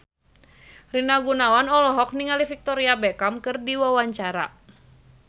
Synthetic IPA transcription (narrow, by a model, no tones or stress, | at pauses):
rinaɡunawanɔlɔɦɔk̚niŋalifik̚t̪ɔɾiabɛkamkɨrdiwawaɲt͡ʃaɾa̰